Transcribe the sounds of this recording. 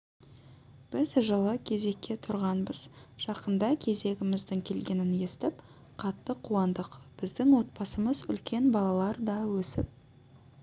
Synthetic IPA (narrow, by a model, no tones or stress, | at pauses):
b̥ɪzʒəlˠəkʲʰe̞ze̞kʲːe̞t̪ʰʊɾʁɑnbəz̥ʒ̥ɑqənd̪ɑkʲʰe̞ze̞ɡʲɪmɪzd̪əɴkʲʰe̞lɡʲe̞nɪne̞st̪ɪp | qʰɑt̪ːəqʰːuɑnd̪əqb̥ɪzd̪ɪŋwo̞t̪̚pɑsəməzʏ̰lkʲe̞nbɑlˠɑlˠɑɾd̪ɑwɵsɪp̚